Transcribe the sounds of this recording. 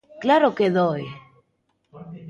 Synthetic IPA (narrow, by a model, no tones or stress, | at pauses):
klaɾokeðoj